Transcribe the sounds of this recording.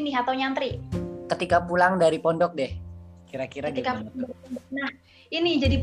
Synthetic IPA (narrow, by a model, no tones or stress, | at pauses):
niɦat̪awɲant̪ɾikət̪ikapulaŋdaɾipɔndɔk̚dɛhkiɾakiɾaɡ̪ikaplaŋaɾiɔndɔknah | inid͡ʒadip